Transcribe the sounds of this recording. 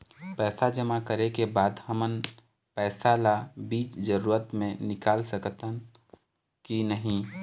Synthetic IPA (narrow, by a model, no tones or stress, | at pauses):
pɛːsad͡ʒəmakəɾekebaːd̪həmən | pɛːsalabiːt͡ʃd͡ʒəɾuːɾət̪mẽnɪkaːlsəkt̪ə | kinəɦĩ